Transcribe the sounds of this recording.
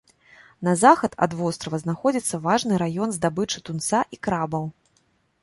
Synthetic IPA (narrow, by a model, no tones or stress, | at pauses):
nɐzaxɐt̪ɐ̰d̪vɔst̪ɾɐvɐznaxɔd͡zʲit̪sːɐvaʐnɨɾajɔnzd̪abɨt͡ʂɨt̪unt̪saʔikɾabɐw